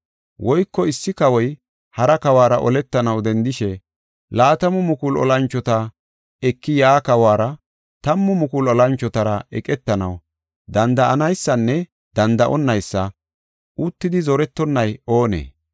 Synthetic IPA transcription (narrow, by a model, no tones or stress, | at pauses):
wɔjkːɔɪsːɪkɐwɔj | hɐɾɐkɐwaːɾɐʔɔlɛt̪ːɐnɐwd̪ɛnd̪ɪʃɛ | laːt̪ɐmʊmʊkʊlɔ̰lɐnt͡ʃːɔt̪a | ɛkːɪjaːkɐwaːɾɐ | t̪ɐmːʊmʊkʊlɔlɐnt͡ʃːɔt̪ɐɾɐʔɛ̰kʼɛt̪ːɐnɐw | d̪ɐnd̪ɐʔɐnɐjsːɐnːɛ | d̪̥ɐnd̪ɐʔɔnːɐjsːɐ | ʔʊt̪ːɪd̪ɪzɔɾɛt̪ːɔnːɐjo̞ːnḛː